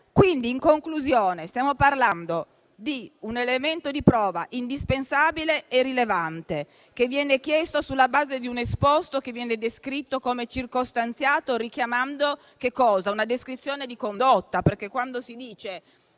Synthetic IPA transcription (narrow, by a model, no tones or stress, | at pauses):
kwind̪iːŋkoŋkluzjoːnest̪jaːmoparland̪o | d̪iunelement̪od̪ipɾɔːvaʔind̪ispensaːbileːrilevant̪e | kevːjɛːnekjɛst̪osulːabaːzed̪iunespost̪okevːjɛːned̪eskɾit̪ːokomet͡ʃirkost̪ant̪sjaːt̪orikjamand̪o | kekːɔːzaunad̪eskɾit̪sːjoːned̪ikond̪ot̪ːaperkːekːwand̪osid̪iːt͡ʃe